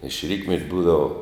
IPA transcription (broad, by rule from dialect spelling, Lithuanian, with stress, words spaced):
ɪʃ ˈrʲiːtʲmʲɛtʲ ˈbuːdɐʋɐ